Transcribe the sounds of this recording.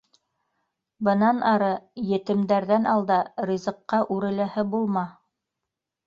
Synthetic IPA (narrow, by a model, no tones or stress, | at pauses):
bɤ̆nɑnɑɾɤjɘ̆t̪ɘ̆md̪æɾðænɑlˠd̪ɑɾʲizɤ̆qːɑʔʉɾɘ̆læhɘbulˠmɑ